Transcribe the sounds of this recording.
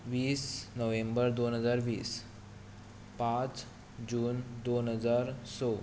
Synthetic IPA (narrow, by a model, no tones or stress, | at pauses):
ʋiːsnəʋẽmbəɾd̪onɦəd͡zaɾʋiːs | pãt͡s | d͡ʑuːnd̪onɦəd͡zaɾso